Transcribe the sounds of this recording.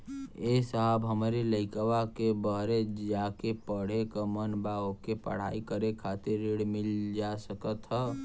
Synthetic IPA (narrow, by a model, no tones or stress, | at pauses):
esəɦəbɦəmɾeləɪkwakebəɦɾed͡ʒakepəɽ̤ekəmənbaokepə̰ɽ̤a̰ikəɾekʰat̪ɪɾːiɽmild͡ʒasəkət̪ɦɛ